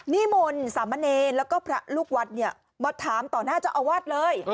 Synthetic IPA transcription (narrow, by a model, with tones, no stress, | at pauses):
niː˦˥mo˧nsaː˩˦mːa˧˥neː˧nlɛː˦˥wkɔː˥˩pʰɾa˦˥luː˥˩k̚wa˦˥t̪̚ni˥˩ɐ | mɔː˧t̪ʰːaː˩˦mt̪ɔː˨˩naː˥˩t͡ɕa˨˩ʔa˧waː˥˩t̪̚lɤː˧j